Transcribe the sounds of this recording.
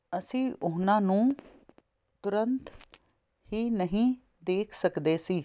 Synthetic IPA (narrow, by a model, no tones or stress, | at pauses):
əsĩːʔʊnãːnũː | t̪ʊɾənt̪ | hiːnəɦĩː | d̪eːkʰsəkd̪eːsiː